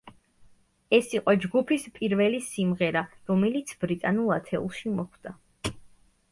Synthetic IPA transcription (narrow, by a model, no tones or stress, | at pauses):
ɛsiqʼɔd͡ʒɡupʰispʼiɾvɛlisimʁɛɾaɾɔmɛlit̪sʰbɾit̪ʼanulˠat̪ʰɛṵlˠʃimɔχd̪̥a